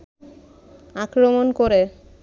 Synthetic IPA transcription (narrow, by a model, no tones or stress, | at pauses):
akɾomonkoɾe